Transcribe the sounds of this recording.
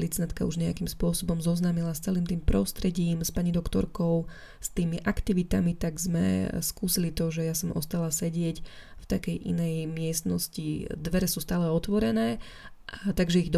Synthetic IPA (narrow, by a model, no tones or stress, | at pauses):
lit͡snat̪kauʒɲɛakimspʊɔsɔbɔmzɔznaːmilast͡sɛliːmt̪iːmpɾɔst̪ɾɛɟiːmspaɲid̪ɔkt̪ɔ̰ɾkɔʊ | st̪iːmiʔakt̪iʋit̪amit̪aɡzmɛ̰skuːsilit̪ɔʒɛjasɔmʔɔ̰st̪alasɛɟɪɛcft̪akɛjʔḭnɛjmɪɛst̪nɔscid̪ʋɛɾɛsuːst̪aːlɛɔt̪ʋɔɾɛnɛː | ʔt̪aɡʒɛiɣd̪